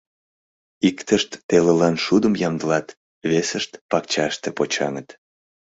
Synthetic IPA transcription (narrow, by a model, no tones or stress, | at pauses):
ikt̪əʃt̪ːeləlɑnʃud̪əmjɑmd̪əlɑt̪ | βesəʃt̪pɑkt͡ɕɑʃt̪epot͡ɕɑ̰ŋət̪